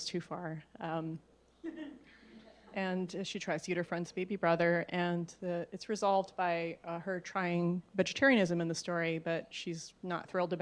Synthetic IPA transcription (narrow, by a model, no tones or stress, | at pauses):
z̥tʰʉfɑɹ̃m | ʔɨ̃nʃitʰɹ̥aɪz̥jʉɾə˞fɹɛ̃ndz̥beɪbibɹʌðə˞ɨ̃nðɨɨtsɹɨzɑlˠvdbaɪə˞tʰɹ̥aɪɪ̃ŋvɛd͡ʒɨtʰɛɹiɨ̃nɪzɨ̃mɨ̃nðɨstɔɹibʌt̚ʃiznə̰t̪̚θɹɪlˠdɨb